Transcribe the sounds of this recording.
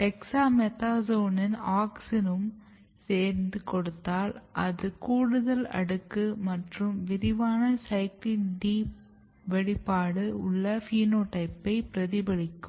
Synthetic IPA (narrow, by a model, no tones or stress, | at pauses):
ʈɛksaːmɛt̪aːsoːnɐnaːksɪnɯm | seːɾnd̪ɯkɔɽɯt̪ːaːlʔɐðɯkuːɽɯðɐlɐ̰ɽɯkːɯmɐʈrɯmʋɪɾɪʋaːnɐsɐɪklɪnɖiː | ʋɛɽɪpːaːɽɯʊɭːɐfiːnoːʈɐɪpːɐɪpɪɾɐðɪbɐɽɪkːɯ